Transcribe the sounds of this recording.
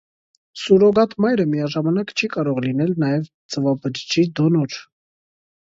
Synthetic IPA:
suɾɔɡɑt̪ʰmɑjɾəmijɑʒɑmɑnɑkt͡ʃʰikɑɾɔʁlinɛlnɑjɛv | t͡səvɑbəɾt͡ʃid̪ɔnɔɾ

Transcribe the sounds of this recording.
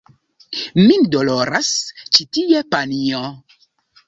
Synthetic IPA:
mindoloɾast͡ʃitiepanio

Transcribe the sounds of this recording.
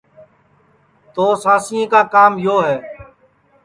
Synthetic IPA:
t̪oːsaːsiẽːkaːkaːmjoːɦɛː

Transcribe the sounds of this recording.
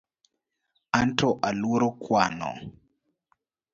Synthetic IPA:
antʰɔʔaluɾɔkwanɔ̰

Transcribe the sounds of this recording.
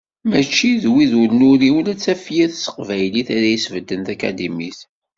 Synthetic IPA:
mæt͡ʃːiðwiðuɾnʊɾiwənæt͡sːæfjiθsə̥qvæjliθaɾæjisvəd̪ːənθækæ̰d̪imiθ

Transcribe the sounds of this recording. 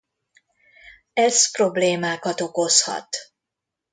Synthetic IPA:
ɛspro̞bleːmaːkɒt̪o̞ko̞shɒ̰t̪

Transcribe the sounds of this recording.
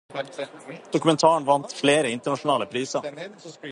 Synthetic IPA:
d̪̥ʊkʉmɛnt̪ʰɑːɳʋɑnt̪fleːɾəɪnt̪əɳɑʂʊnɑːləpʰɾiːsə

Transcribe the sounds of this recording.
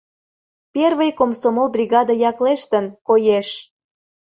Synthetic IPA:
perβəjkomsomolbrʲiɣɑd̪əjɑkleʃt̪ənkojeʃ

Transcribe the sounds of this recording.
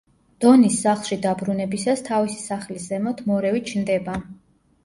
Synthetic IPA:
d̪̥ɔnisːaχlˠʃid̪abɾunɛbisast̪ʰavisi̥saχliszɛmɔt̪ʰmɔɾɛvit͡ʃʰnd̪ɛba

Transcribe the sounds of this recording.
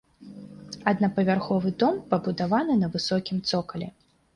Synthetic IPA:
ɐd̪nɐpɐvʲarxɔvɨd̪ɔmpɐbud̪avanɨnɐvɨsɔkʲimt̪sɔkɐlʲɛ̰

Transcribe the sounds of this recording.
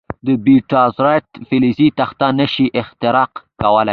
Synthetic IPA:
d̪əbiʈɑzɾaʈ̪fɪlizit̪axt̪anəʃiʔɪxt̪ɪɾɑqkawəla

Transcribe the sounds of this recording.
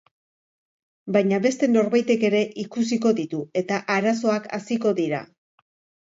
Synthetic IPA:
bajɲaβe̞st̪e̞no̞ɾβajt̪e̞ke̞ɾe̞ʔikus̬iko̞ðit̪ue̞t̪aʔaɾaso̞aka̰siko̞ðiɾa̰

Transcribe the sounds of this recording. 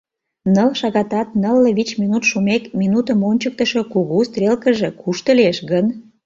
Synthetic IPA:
nəlʃɑɣɑt̪ɑt̪nəlːĕβit͡ɕminut̪ʃumekminut̪əmonʲt͡ɕək̚t̪əʃekuɣust̪ɾʲelkəʒekuʃt̪əlieʃɣən

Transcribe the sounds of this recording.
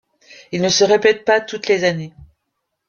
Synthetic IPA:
ilnəsəʁepɛt̪̚pat̪ut̪lezane

